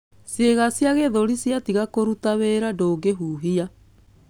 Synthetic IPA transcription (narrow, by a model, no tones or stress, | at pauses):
sjeɣasjaɣeðoɾisjatiɣakoɾutaweɾadoːɡeɦuːɦia